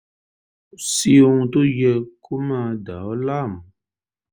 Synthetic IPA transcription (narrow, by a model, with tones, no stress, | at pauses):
si˦u˦˧ŋto˦jɛ˧kʰu˦ma˧˨da˨ɔ˦la˦˨m˨